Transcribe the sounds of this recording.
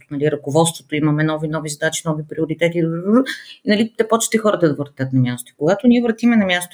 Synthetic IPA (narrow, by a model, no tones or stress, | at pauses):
nɐliɾɐkovɔt̪st̪vot̪oimɐmɛnɔvinɔvizɐd̪at͡ʃinɔvipɾioɾit̪ɛt̪i | inɐlit̪ɛpɔt͡ʃt̪ɛxɔɾət̪ɐd̪ɐvɾt̪ʲət̪nɐmʲjast̪oikoɡat̪oniɛvɾɐt̪imɛnɐmʲjast̪o